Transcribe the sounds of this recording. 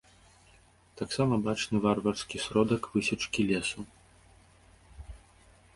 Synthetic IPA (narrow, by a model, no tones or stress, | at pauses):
t̪aksamɐbat͡ʂnɨvarvɐrskʲisɾɔd̪ɐkvɨsʲɐt͡ʂkʲilʲɛsu